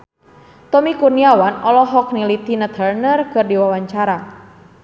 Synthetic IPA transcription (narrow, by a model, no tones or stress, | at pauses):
t̪ɔmikurniawanɔlɔɦɔk̚nilit̪inət̪ʰərnərkɨrdiwawaɲt͡ʃaɾa